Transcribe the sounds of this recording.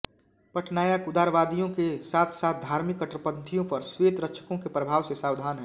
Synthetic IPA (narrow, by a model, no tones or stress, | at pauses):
pɐʈʰnaːjakʊd̪aːɾʋaːd̪ijõkesaːt̪ʰsaːt̪̚ʰd̪ʱaːɾmɪkːəʈɾəpəd̪t̪ʰijõpɐɾsweːt̪ɾətːʃʰə̥kõkepɾəbʱaːwsesaːʋd̪ʱaːnɦɛː